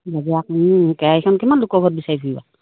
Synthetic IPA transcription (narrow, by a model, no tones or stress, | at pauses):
zadiakkɛaikʰɔnkimanlukɔɡʱɔt̚bisaɹipʰuiba̰